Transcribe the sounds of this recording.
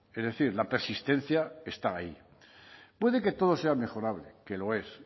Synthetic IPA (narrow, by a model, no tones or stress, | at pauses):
ezðe̞θiɾlape̞ɾsist̪e̞n̟θjaest̪aːi | pwe̞ð̞e̞ket̪o̞ð̞o̞se̞ame̞xo̞ɾaβleke̞lo̞e̞s